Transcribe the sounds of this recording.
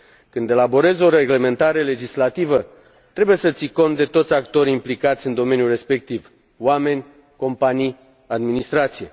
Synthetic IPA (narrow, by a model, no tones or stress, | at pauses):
kɨnd̪e̞labo̞ɾe̞zo̞ɾe̞ɡle̞me̞nt̪aɾe̞le̞d͡ʒislat̪ivə | t̪ɾe̞buje̞sət̪siko̞nt̪̚d̪e̞t̪o̞t̪sʲakt̪o̞ɾʲimplikat̪sʲɨnd̪o̞me̞njure̞spe̞k̚t̪iv | wame̞nʲ | ko̞mpanij | ad̪minist̪ɾat̪sije